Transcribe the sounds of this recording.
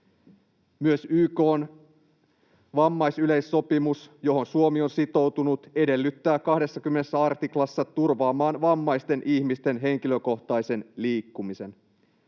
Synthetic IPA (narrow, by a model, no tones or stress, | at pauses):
myøsyːko̞ːn | ʋɑmːɑjsyle̞jsːo̞pimusjo̞ɦo̞nsuo̞mio̞nsit̪o̞wt̪unut̪e̞de̞lːyt̪ːæːkɑhde̞sːɑk̟ymːenesːæɑrt̪iklɑsːɑt̪urʋɑːmɑːnʋɑmːɑjst̪e̞nʔiçmist̪e̞nɦe̞ŋk̟iløko̞ht̪ɑjse̞nliːkːumise̞n